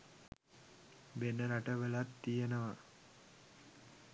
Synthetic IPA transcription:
benəɾaʈəʋəlat̪ːijənəʋa

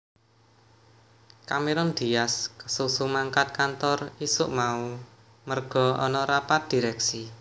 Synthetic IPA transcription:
kameɾɔnd̪̥i̤jaskə̥susumaŋkat̪̚kant̪ɔrisʊʔmau | mərɡ̥ɔ̤ɔ̰nɔɾapat̪̚d̪̥i̤ɾɛksi

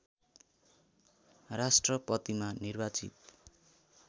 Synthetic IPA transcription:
rasʈrʌpʌt̪imanirbat͡sḭt̪

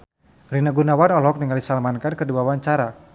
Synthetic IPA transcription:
rinaɡunawanɔlɔk̚niŋaldisalmankankəduawaɲt͡ʃaɾa

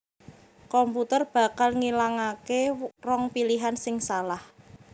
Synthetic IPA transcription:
kɔmput̪ərb̥a̤kalŋilaŋakerɔŋpiliɦansɪŋsalah

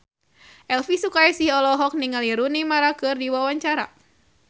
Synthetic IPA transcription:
ʔɛlfisukajisihɔlɔɦɔk̚niŋaliɾunimaɾakɨrdiwawaɲt͡ʃaɾa̰

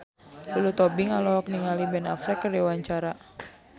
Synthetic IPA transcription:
lulut̪ɔbiŋalɔɦɔk̚niŋalibɛna̰flɛkːərɛwaɲt͡ʃaɾa

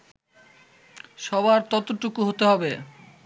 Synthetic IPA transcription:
ʃɔβaɾt̪ɔt̪oʈːukuɦot̪eɦɔbe

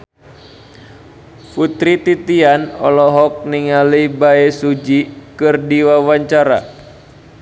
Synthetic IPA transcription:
put̪ɾit̪it̪ianɔ̰lɔɦɔk̚niŋalibaesud͡ʒikɨrdiwawaɲt͡ʃaɾa̰

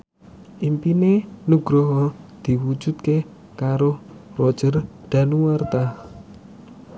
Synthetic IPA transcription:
ʔimpinenuɡ̥ɾɔɦɔd̪̥i̤wud̥d͡ʒ̥ṳt̪̚ke | kaɾorɔ̥ʒ̥ərd̪̥a̤nuwart̪a

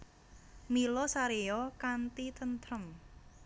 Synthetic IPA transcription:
milosaɾeokant̪it̪ʰənt̪ʰɾəm

